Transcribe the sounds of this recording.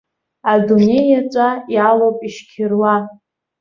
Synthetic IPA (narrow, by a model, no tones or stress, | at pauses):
adune̞jat͡ʃʷʼajalowpʼiʃkʲʰɪrwa